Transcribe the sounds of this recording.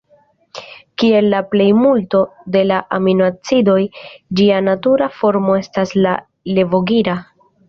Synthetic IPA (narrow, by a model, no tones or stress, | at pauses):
kie̞lːaple̞jmulto̞de̞laʔaminoat͡sido̞jd͡ʒianatuɾafo̞ɾmo̞e̞stasla | le̞vo̞ɡiɾa